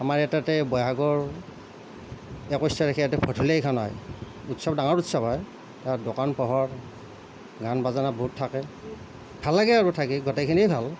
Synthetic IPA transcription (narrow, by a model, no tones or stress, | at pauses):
amaɹɛtatɛbɔjɦaɡɔɹ | ɛkɔjstaɹɛkʰɛjatɛpʰɔtʰulejkʰanɔj | utsɔbdaŋɔɹutsɔbɔj | tadokanpɔɦɔɹ | ɡanbazanabɔɦutʰːakɛ | bʱalːaɡɛaɹutʰakiɡɔtɛkʰiniejbʱal